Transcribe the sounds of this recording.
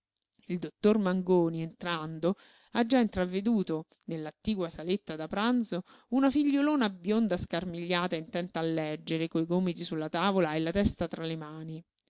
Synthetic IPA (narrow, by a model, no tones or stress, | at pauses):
ild̪ot̪ːormaŋɡoːnient̪ɾand̪o | ad͡ʒːaint̪ɾavːed̪uːt̪o | nelːat̪ːiːɡwasalet̪ːad̪apɾand̪zo | unafiʎːoloːnabjond̪askarmiʎːaːt̪aint̪ɛnt̪aːlːɛd͡ʒːeɾekoiɡoːmit̪isulːat̪aːvolaelːat̪ɛst̪at̪ɾalemaːni